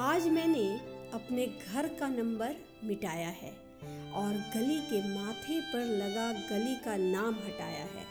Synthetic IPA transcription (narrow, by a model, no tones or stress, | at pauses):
aːd͡ʒmɛ̃ːneɐpneɡʱɐɾkanɐ̃mbəɾ | mɪʈaːjaɦɛ̰ː | ɔːɾɡɐlikemaːt̪ʰepɐɾlɐɡaɡɐlikanaːmɦɐʈa̰ːja̰ɦɛ̰ː